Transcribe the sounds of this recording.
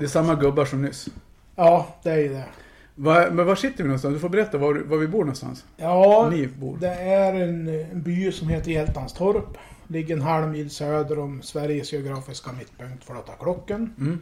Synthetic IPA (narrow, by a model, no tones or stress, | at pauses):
d̪ɛsamːaɡɵbːaʂɔmnʏs | jɑːd̪̥ɛæɾjʉd̪ɛ | vamɛnvaʂɪt̪ːəɾvɪnɔnst̪ansd̪ɵfoːɾbɛɾɛt̪ːavavavɪbuːɳɔnst̪a̰ns | jɑːliːvbṵːɾd̪ɛæɾɛnnbyːsɔmheːt̪əɾjɛlt̪ːanst̪ʰɔɾplɪɡːəɾɛnɦalmiːlsøːd̪əɾɔmsvæɾjəsɛʊɡɾɑːfɪskamɪt̪ːpɵŋk̚t̪fɔɭoːt̪ʰakʰɽɔkːən